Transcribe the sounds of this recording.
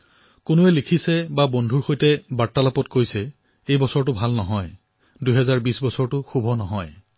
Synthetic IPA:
kʊnoɛlikʰisɛbabondʱuɹxojtɛbaɹtːalapɔtkojsɛ | ejbɔsɔɹtʊbʱalnɔɦɔj | dujɦɛzaɹbisbɔsɔɹtʊxubʱɔnɔɦɔj

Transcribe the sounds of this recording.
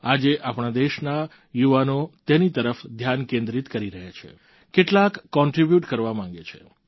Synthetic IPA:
ad͡ʒeʔapɳ̃ad̪eʃna | juʋanot̪enit̪əɾəfd̪ʱjankẽnd̪ɾit̪kəɾiɾəɦat͡ʃʰḛ | keʈlakːɔ̃ɳʈɾibjuʈkəɾʋamãŋ̆ɡet͡ʃʰḛ

